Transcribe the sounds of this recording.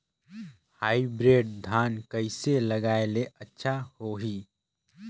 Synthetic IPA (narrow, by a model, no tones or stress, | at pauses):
haːibɾeːɖd̪ʱaːnkəɪseləɡaːeleətːʃʰahoɦi